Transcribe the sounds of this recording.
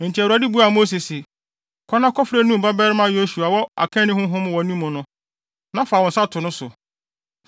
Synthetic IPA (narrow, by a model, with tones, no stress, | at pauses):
n̩˨t͡ɕʰi˨wa˨˦di˦bu˦a˨mo˦s̬i˨sɪ˨ | kʰɔ˦nã˦kʰɔ˦fɾɛ˦nũ˦m˨ba˦bɛ˦ɾmã˦jo˦ɕu˨a˨wɔ˦a̰˨kʰɛ̃˦nɪ̃˦hʊ̃˦ɦʊ̃˦m˦wɔ˨nũ˦mːʊ̃˨nʊ̃˦ | nã˦faː˨wɔ̃˨n̩˨sa˦tʰʊ˨nʊ̃˦sʊ˨